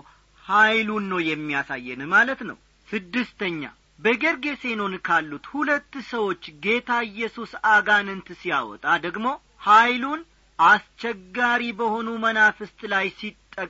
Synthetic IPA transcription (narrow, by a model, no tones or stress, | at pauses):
hajlunːəwjɛmːijasajːɛnɨmalət̪nə̰w | sɨd̪ːɨst̪ʰəɲːa̰ | bəɡəɾɡe̞se̞no̞nkʰalːut̪hulət̪ːusəwo̞t͡ʃːɡe̞t̪ʰaɨjːɛsusaɡanɨnt̪ɨsija̰wɔ̰t̪ʼad̪əɡmo̞ | hajlun | ʔast͡ʃɛɡːaɾibəho̞numənafɨst̪ʼlajsit̪ʼːəkʼ